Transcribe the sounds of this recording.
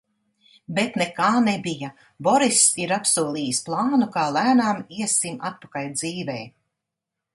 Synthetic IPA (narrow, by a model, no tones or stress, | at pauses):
bet̪nekaːnɛbija | bɔɾisiɾapsuɔlˠiːjisplˠɑːnukaːlˠæːnaːmiɛsima̰t̪̚pakald̪ziːvɛj